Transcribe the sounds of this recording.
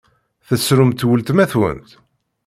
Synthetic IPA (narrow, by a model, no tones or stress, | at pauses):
θəsɾʊmt̪wəlt̪mæθwə̰nt̪